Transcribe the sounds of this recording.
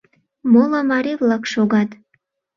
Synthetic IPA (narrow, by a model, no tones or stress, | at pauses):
molɑmɑɾevlɑkʃoɣɑt̪